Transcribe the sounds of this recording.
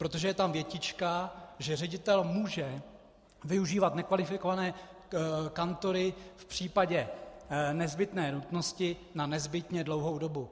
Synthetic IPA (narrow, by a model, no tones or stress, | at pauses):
pɾot̪oʒɛjɛt̪amvjɛcɪt͡ʃkaʒɛrɛɟɪt̪ɛlmuːʒɛ | vɪuʒiːvat̪nɛkvalɪfɪko̞vanɛː | kant̪o̞ɾɪfpr̝̥iːpaɟɛ | nɛzbɪt̪nɛːnut̪no̞scɪnanɛzbɪt̪ɲɛdlowɦo̞wdo̞bu